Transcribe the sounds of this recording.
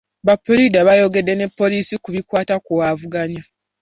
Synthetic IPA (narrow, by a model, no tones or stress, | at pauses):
βapːolidaβajo̞ɡe̞dːe̞ne̞pːo̞liːsikuβikwaːtakuwavuɡaɲa